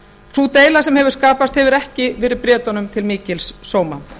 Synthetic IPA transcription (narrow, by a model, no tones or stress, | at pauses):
sut̪eːjlasɛmhɛvʏɾ̥skaːpast̪hɛvɪʏɾɛhcɪvɪɾɪðpɾjɛːt̪ɔnʏmt̪ʰɪlmiːcɪlsːoːwma